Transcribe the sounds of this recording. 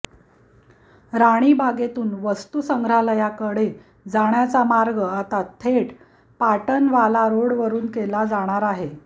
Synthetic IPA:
ɾaɽ̃iːbaɡet̪uːnʋəst̪usəŋɡʱɾaləjakəɽe | d͡zaɽjat͡samaɾɡəat̪at̪ʰeʈ | paʈənʋalaɾoɽʋəɾuːnkelad͡zaɽ̃aɾaɦe

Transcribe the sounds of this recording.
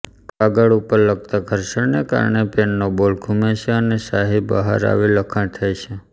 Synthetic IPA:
kaɡəɭupəɾləɡ̚t̪aɡʱəɾʃəɳneka̰ɾɳepenːobolkʰumeʃeənesaɦibə̰ɦaɾa̰ʋiləkʰəɳt̪ʰajt͡ʃʰe

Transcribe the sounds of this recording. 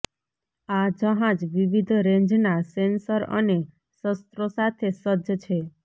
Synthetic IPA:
ad͡ʒəɦãd͡ʒʋiʋid̪ʱɾẽɲd͡ʒnasensəɾə̰ne | səst̪ɾosat̪ʰesəd͡ʒt͡ʃʰe

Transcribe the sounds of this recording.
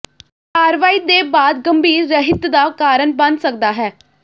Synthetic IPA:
aːɾʋaːiːd̪eːbaːd̪ɡəmbiːɾːəɦɪt̪d̪aːkaːɾənbənsək̚d̪aːɦɛː

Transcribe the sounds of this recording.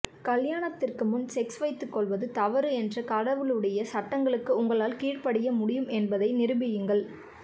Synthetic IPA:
kɐljaːɳɐt̪ːɪrkɯmɯnsɛksʋɐɪt̪ːɯkːɔɭʋɐðɯt̪ɐʋɐɾɯɛndrɐkɐɽɐʋɯɭɯɽɐjɐsɐʈːɐŋɡɐɭɯkːɯʊŋɡɐɭaːlkiːrpɐɽɪjɐmʊɽɪjɯmɛnbɐðɐɪnɪɾɯbɪjɯŋɡɐɭ

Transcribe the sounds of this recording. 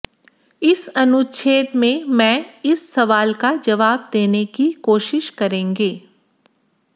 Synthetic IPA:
ɪsɐnʊt͡ʃʰeːt̪mẽmɛ̃ːɪsːɐʋaːlkad͡ʒɐʋaːb̚d̪eːnekikoːʃɪʃkɐɾẽːŋɡeː

